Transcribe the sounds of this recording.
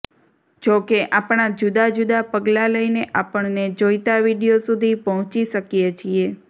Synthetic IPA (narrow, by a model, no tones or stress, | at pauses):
d͡ʒokeʔapɳ̃ad͡ʒud̪ad͡ʒud̪apəɡlaləineʔapəɳned͡ʒojt̪aʋiɽijosud̪ʱipəɦɔ̃t͡ʃiʃəkijet͡ʃʰie